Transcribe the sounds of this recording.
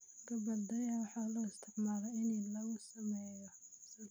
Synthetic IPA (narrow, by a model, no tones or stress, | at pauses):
ɡɐbɐd̪ɐjɐwɑħɑlɔːɪst̪ʰɪʕmaːlɔɪnilɐɣʊsɐmɛjɔsɐ